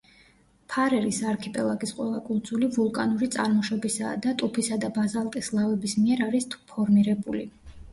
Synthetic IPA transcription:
pʰaɾɛɾisaɾkʰɛpʼɛlˠaɡisqʼwɛlˠakʼuld̪zulivulˠkʼanuɾit̪sʼaɾmɔʃɔbisa̰d̪at̪ʼupʰisad̪abazalˠt̪ʼislˠavɛbismiɛɾaɾist̪ʰpʰɔɾmiɾɛbulḭ

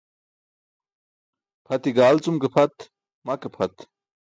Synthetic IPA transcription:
pʰɐt̪iɡaːlt͡sumkepʰɐt̪ | mɐkepʰɐt̪

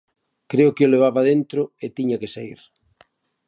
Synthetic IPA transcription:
kɾeʊkɪoleβ̞aβaðent̪ɾʊet̪iɲakesaḭɾ

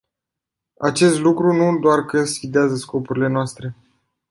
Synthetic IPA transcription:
at͡ʃe̞st̪lukɾunud̪oarkəsʲid̪eazəsko̞puɾile̞noast̪ɾe̞

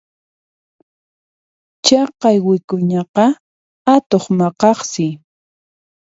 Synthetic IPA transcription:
t͡ʃɑqɑjwɪkʊɲɑqɑ | at̪oχmɑqɑχsɪ

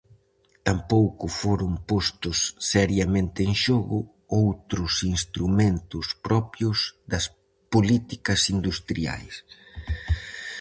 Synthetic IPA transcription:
t̪ampowkʊfoɾʊŋpost̪ʊsːɛɾjɐmẽnt̪ɪeŋʃɔɣʊ | owt̪ɾʊsinst̪ɾumẽnt̪ʊspɾɔpjʊzðɐs | polit̪ikɐsind̪ust̪ɾia̰js

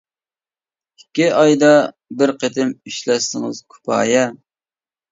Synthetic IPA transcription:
ikʲːiɑjd̪ɑ | bɪɾqet̪ʰɪmiʃlɛsɪŋɨz̥kʰy̥pʰɑ̰ːjɛ

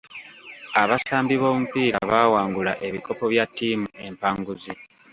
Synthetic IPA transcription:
aβasaːmbiβo̞ːmupiːɾaβawaːŋɡula̰ʔe̞βiko̞po̞βjatːiːmuʔe̞mpaŋɡuzi

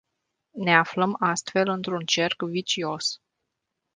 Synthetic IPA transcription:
ne̞afləmast̪fe̞lɨnt̪ɾunt͡ʃe̞rkvit͡ʃio̞s

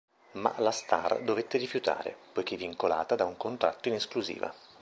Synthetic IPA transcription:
ma̰last̪a̰rd̪ovet̪ːeɾifjut̪a̰ːɾḛpojkevːiŋkola̰ːt̪ad̪auŋkont̪ɾat̪ːoineskluzḭːva̰

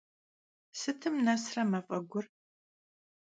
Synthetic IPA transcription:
sɨtʰɨmnɐsrɐmɐfʼɐɡʷʊr

